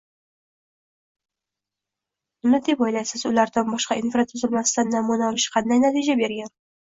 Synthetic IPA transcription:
ʊnɪd̪e̞pɒjlajsɪzʊlaɾd̪anbɒʃqɑinfɾat̪ʰʊzɪlmasɪd̪anːamunaɒlɪʃqʰɑnd̪ajnat̪ʰid͡ʒabe̞ɾɡʲan

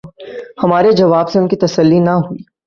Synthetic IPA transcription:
hɐmaːɾed͡ʒɐʋaːbseʊnkit̪ɐsəlːinɐɦuiː

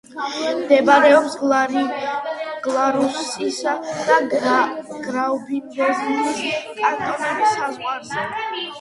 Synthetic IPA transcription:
md̪ɛbaɾɛɔps | ɡ̥lˠaɾusisad̪̥a | ɡ̥ɾaubinbɛziiskʼant̪ʼɔnɛbsazʁwaɾzɛ

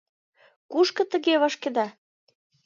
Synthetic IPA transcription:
kuʃkɤ̆t̪ə̆ɣeβəʃkĕd̪ɑ

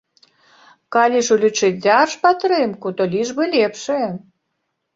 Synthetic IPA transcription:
kɑlʲiʃulʲut͡ʃɨt̪̚ʲdʲɑrʃpat̪ɾɨmkut̪olʲiʒbɨlʲepʃe

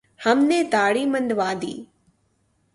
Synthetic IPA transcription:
hɐmneːt̪aːɽiːmə̃nd̪ʋaːd̪ḭː

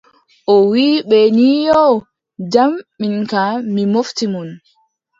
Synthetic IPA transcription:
ʔɔwiːɓɛnijɔ | d͡ʒamːiŋkamimoftimun

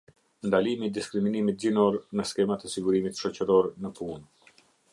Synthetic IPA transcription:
nd̪alimid̪iskɾiminimit̪̚zinɔɾnəskɛmat̪ɛsiɡuɾimit̪ʃɔt͡ɕəɾɔɾnəpun

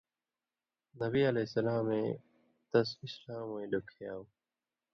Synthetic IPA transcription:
nəbiːəleːsəlaːmẽː | t̪əsɪslaːmːẽːlʊkʰjaːũ

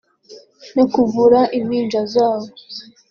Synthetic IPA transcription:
nekuvuɾaʔimiːɲd͡ʒazaːβo

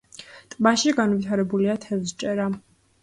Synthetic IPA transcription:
t̪ʼmaʃiɡanvit̪ʰaɾɛbuliat̪ʰɛvst͡ʃʼɛɾa

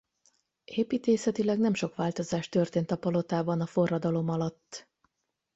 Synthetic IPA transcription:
eːpiːt̪eːsɛt̪ilɛɡnɛmʃo̞kʋaːlt̪o̞zaːʃt̪ø̞rt̪eːnt̪ɒpɒlo̞t̪aːbɒnɒfo̞rːɒd̪ɒlo̞mɒlɒt̪ː

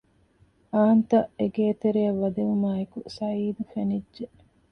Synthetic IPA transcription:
aːnt̪ɐʔeɡeːt̪eɾejɐʋːɐd̪eʋumaːekusɐiːd̪ufenidʒːe

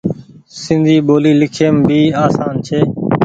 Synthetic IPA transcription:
sɪnd̪ʱiːɓoːliːlɪkʰeːmbʱiːaːsaːnt͡ʃʰeː

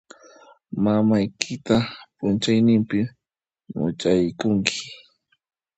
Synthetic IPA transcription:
mamajkʰɪt̪apʊnt͡ʃajnɪmpɪ | mʊ̰t͡ʃajkʊŋkʰɪ̥

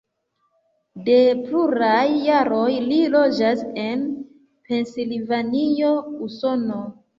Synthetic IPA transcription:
de̞pluɾajːaɾo̞jlilo̞d͡ʒase̞n | pe̞nsilvanio̞uso̞no̞

